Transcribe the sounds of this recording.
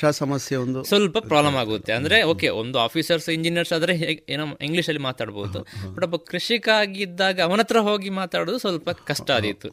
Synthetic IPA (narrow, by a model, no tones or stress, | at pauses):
asɐmɐsjeond̪usʋɐlpɐpɾaːblɐmaːɡoːɐt̪ːeɐnd̪ɐɾe̞o̞ːke̞o̰nd̪uaːpʰisɐɾsiɲd͡ʒinijɐɾsaːd̪ɐɾeeːnoiŋɡliʂɐlːimaːt̪aːɖboːud̪ubɐʈːɐbːɐkɾɐʂikaːɡid̪ːaːɡɐːʋɐnɐt̪ːɾɐɦo̞ːɡimaːt̪aːɽoːd̪usʋɐlpɐkɐʂʈaːd̪it̪ːu